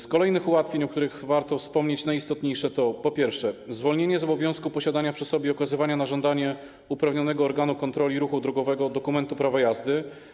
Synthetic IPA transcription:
skɔlɛjnɘxuwat̪fʲjeɲɔk̚t̪uɾɘɣvaɾt̪ɔfspɔmɲet͡ɕnajist̪ɔt̪ɲejʂɛt̪ɔpɔpʲjɛɾfʂɛzvɔlɲeɲɛzɔbɔvʲjɔ̃w̃skupɔɕad̪aɲapʂɘsɔbʲjɛɔkazɘvaɲanaʐɔnd̪aɲɛ | upɾavɲɔnɛɡɔːɾɡanukɔnt̪ɾɔlʲiɾuxud̪ɾɔɡɔvɛɡɔd̪ɔkumɛnt̪upɾavajazd̪ɘ

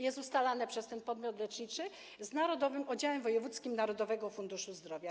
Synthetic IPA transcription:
jɛst̪ust̪alanɛpʂɛst̪ɛnpɔd̪mʲjɔt̪lɛt͡ʂɲit͡ʂɘ | znaɾɔd̪ɔvɘmɔd͡ʑawɛmvɔjɛvut̪skʲimnaɾɔd̪ɔvɛɡɔfund̪uʂuzd̪ɾɔvʲja

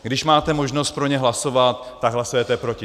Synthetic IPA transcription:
ɡdɪʃmaːt̪ɛmoʒno̞st̪̚pɾo̞ɲɛɦlaso̞vat̪ːaɡɦlasojɛt̪ɛpɾo̞cɪ

